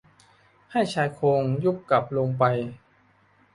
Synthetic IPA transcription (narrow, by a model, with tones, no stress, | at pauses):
ha˥˩t͡ɕʰaː˧jkʰoː˧ŋjuː˥˩p̚ka˨˩p̚loː˧ŋp̬a˧j